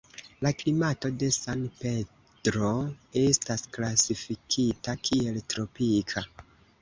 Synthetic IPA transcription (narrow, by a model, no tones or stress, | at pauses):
laklimato̞de̞sanpe̞ | d̥ɾo̞e̞stasklasifikʰitakʰie̞ltɾo̞pikʰa